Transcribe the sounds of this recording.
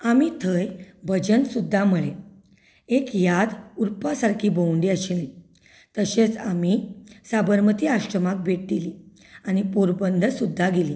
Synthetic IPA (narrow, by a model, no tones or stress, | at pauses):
amit̪ʰəjbʱəd͡ʑənsud̪ʱːaməɭe | ekjad̪uɾpasaɾkʰiːbəwɳɖiəɕili | t̪əɕet͡samisabəɾmət̪iːaʂʈɾəmak̚bʱeʈ̚d̪ili | añipoɾbənd̪ʱəsud̪ʱːaɡeli